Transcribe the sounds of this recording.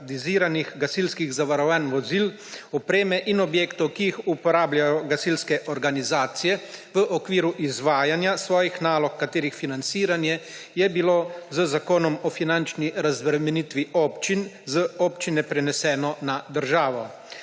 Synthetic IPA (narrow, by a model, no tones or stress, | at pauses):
d̪iziːɾaniɣɡasilskiɣzaʋaɾɔwanʋɔzil | ɔpɾeːmɛʔinɔbjeːkt̪ɔwkijixupɔɾaːbljajɔɡasilskɛʔɔɾɡanizaːt̪sijɛʋəʔɔkʋiːɾuʔizʋaːjanjasʋɔːjixnaːlɔkːat̪eːɾixfinant̪siːɾanjɛ | jɛbiloːzəzakoːnɔmɔfinant͡ʃniɾazbɾɛmɛnit̪ʋiɔːpt͡ʃinzəɔːpt͡ʃinɛpɾɛnɛsɛːnɔnad̪əɾʒaːʋɔ